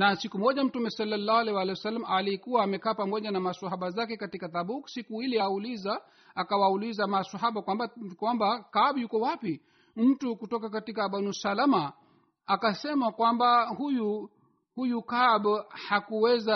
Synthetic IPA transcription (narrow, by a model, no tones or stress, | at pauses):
nasikumɔʄam̩tumɛsalːalːaːhualɛwalɛwasalːamaalikuwaːmɛkaːpamɔʄanamasaɦaɓazakɛkatikataɓuksikuilɛaulizaː | kawaulizamasaɦaɓakwambakwambakaɓjukɔwapi | m̩tukutɔkakatikaɓanusalama | akasɛmakwambahuju | hujukaɓhakuwɛza